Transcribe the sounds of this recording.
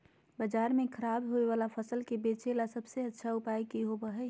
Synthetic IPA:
bəd͡ʒaːɾmẽkʰəɾaːbɦoeʋaːlapʰəsəlkebet͡ʃelasəbseətːʃʰaʊpajkiɦobəɦɛ

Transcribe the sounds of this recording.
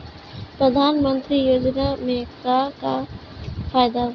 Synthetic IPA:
pɾəd̪ʱaːnmə̃nt̪ɾijoːd͡ʒnamẽkaka | faːjd̪a

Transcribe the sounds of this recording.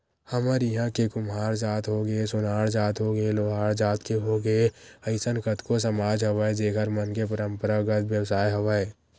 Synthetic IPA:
həməɾjəɦãkekʊmɦaːɾd͡ʒaːt̪ɦoɡesʊnaːɽd͡ʒaːt̪ɦoɡeloːɦaːɽd͡ʒaːt̪keɦoɡeəɪsənkət̪kos̬əmaːd͡ʒɦɐʋəed͡ʒeːkʰəɾmənkepəɾə̃mpəɾaɡət̪ʋjəwsaːjɦɐʋə

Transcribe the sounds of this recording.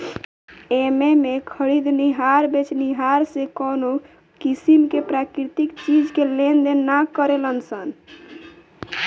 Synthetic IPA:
ememekʰəɽid̪ʱniɦaɾbet͡ʃniɦaɾsekɔno | kisimkepɾakɾit̪ikt͡ʃid͡ʒkelend̪enːakəɾelənsən

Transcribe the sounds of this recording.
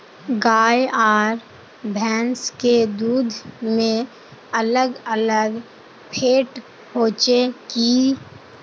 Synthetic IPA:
ɡaːjaːɾ | bʱɛːnsked̪uːd̪ʱmẽ | ələɡələɡ | pʰeːʈ | pʰoːt͡ʃekiː

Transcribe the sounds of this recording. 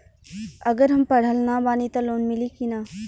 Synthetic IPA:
ɐɡəɾɦɐmpɐɽ̤əlnabaːnit̪aloːnmɪlikinaː

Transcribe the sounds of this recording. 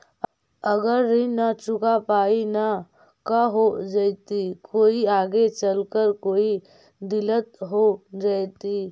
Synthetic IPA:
əɡəɾːinat͡ʃʊkapaːina | kaɦod͡ʒəɪt̪ikoːiaːɡet͡ʃəlkəɾkoːi | d̪ɪlət̪ɦod͡ʒajt̪i

